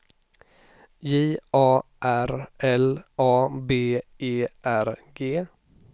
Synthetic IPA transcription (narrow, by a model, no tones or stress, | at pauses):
jiːʔɑːʔæɾʔɛlɑːbeːeːʔæɾɡeː